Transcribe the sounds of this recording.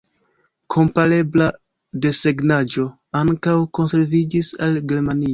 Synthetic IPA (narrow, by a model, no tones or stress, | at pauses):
kʰo̞mpaɾe̞bla | de̞se̞ɡnad͡ʒo̞ | aŋkawko̞nse̞ɾvid͡ʒisalɡe̞ɾmanio